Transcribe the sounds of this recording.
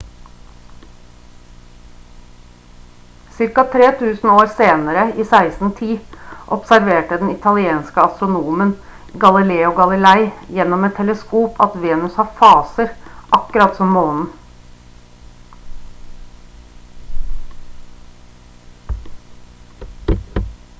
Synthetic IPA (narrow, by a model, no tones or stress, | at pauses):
sɪɾkɑt̪ʰɾeːt̪ʰʉːsn̩oːɾseːnəɾəiːsæɪsn̩t̪ʰiːʔɔpsæɾʋeːʈəd̪ɛn̩ɪt̪ʰɑlɪeːnskəɑst̪ɾʊnuːmən | ɡɑlɪleːʊɡɑlɪlæɪjɛnːɔmɛt̪ʰːɛləskuːpʰɑt̪ʋeːnʉshɑfɑːsəɾʔɑkəɾɑt̪sɔmmoːnn̩